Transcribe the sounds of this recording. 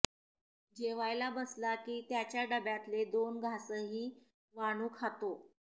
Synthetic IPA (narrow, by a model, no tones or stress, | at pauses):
d͡ʑeʋajlabəslakiːt̪jat͡ɕjaɖəbjat̪led̪onɡʱasəːɦiː | ʋaɽ̃uːkʰat̪o